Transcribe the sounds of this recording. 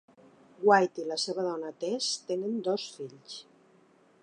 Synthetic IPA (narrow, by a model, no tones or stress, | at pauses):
ɡwajt̪ilaseβaðɔnat̪est̪enənd̪osfiʎs